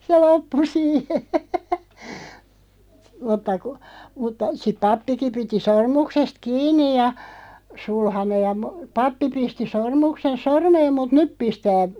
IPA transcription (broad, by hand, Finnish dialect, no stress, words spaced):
se lopːu siːhe mutːɑ ku mutːɑ sip̆ pɑpːiki piti sormuksest kiːnˑij jɑ sulhɑnej̆ jɑ mo pɑpːi pisti sormuksen sormeːm mut nyp pistæː